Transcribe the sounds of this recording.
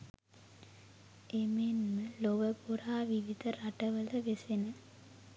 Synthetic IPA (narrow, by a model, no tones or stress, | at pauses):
emenmɨloʋɐpuɾaːʋiʋid̪ʱɐɾɐʈɐʋɐlɐʋesenɐ